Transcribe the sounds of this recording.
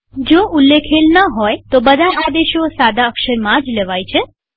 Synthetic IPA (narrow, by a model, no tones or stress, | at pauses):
d͡ʒoʔulːekʰelnəɦɔjt̪obəd̪ʱaʔad̪eʃosad̪aəkʃəɾmãd͡ʒleʋajt͡ʃʰe